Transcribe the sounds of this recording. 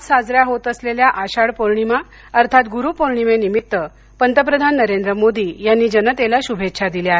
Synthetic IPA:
t͡ssad͡zɾjaɦot̪əsleljaʔaɕaɽpoɾɳima | əɾt̪ʰat̪ɡuɾupoɾɳimenimit̪ːə | pənt̪əp̬ɾəd̪ʱanːəɾend̪ɾəmod̪ʱiːjanːiːd͡ʑənət̪elaɕubʱet̪ːɕʰad̪iljaɦe

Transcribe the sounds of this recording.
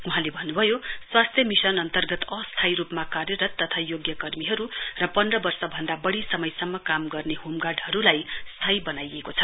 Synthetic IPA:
uɦãlebʱʌnːubʱʌjoswast̪ʰjʌmisʌnʌnt̪ʌrɡʌt̪ʌst̪ʰajɾupmakarjʌɾʌt̪ːʌt̪ʰajoɡjʌkʌrmiɦʌɾurʌpʌnrʌbʌrsʌbʱʌnd̪abʌɽisʌmʌjsʌmːʌkamɡʌrneɦumɡaɖɦʌɾulajst̪ʰajbʌnajekot͡sʰʌ

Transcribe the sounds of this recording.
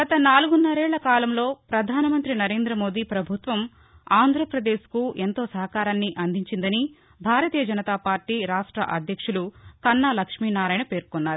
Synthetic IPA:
ɡɐt̪ɐnaːluɡunːɐɾɛːɭːɐkaːlɐmlo̞ːpɾɐd̪ʱaːnɐmɐnt̪ɾinɐɾe̞ːnd̪ɾɐmoːd̪iːpɾɐbʱut̪ʋɐm | aːnd̪ʱɾɐpɾɐd̪e̞ːskuʔent̪o̞ːsɐɦɐkaːɾaːnːiʔɐnd̪ʱiɲt͡ʃind̪ɐni | bʱaːɾɐt̪iːjɐd͡ʒɐnɐt̪aːpaːɾʈiːɾaːʂʈɾɐ̰ʔɐd̪ʱjɐkʂulukɐnːaːlɐkʂmiːnaːɾaːjnɐpe̞ːɾkɔnːaːɾu

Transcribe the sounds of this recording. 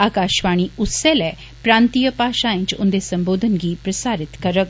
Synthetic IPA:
aːkaːʃʋaːɽ̃iʊselɛː | pɾãːnt̪ijəpaːʃaɪ̃ɲt͡ʃʊ̰̃nd̪esɐ̃mboːd̪ʱənɡiːpɾɐsaːɾɪt̪kɐɾək

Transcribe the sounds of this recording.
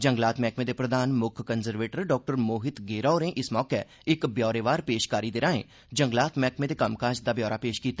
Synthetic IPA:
d͡ʒəŋɡlaːt̪mɛːkmẽːd̪eːpɾəd̪aːnmʊkʰkənzəɾʋeːʈəɾɖɔːk̚ʈəɾmoːɦɪt̪ɡeːɾɔːɾẽːʔɪsmɔːkɛ | ɪkbjɔːɾeːʋaːɾpeːʃkaːɾiːd̪eːɾãːḛ̃ː | d͡ʒəŋɡlaːt̪mɛːkmẽːd̪eːkəmkaːd͡ʒd̪aːbjɔːɾaːpeːʃkiːt̪ːaː

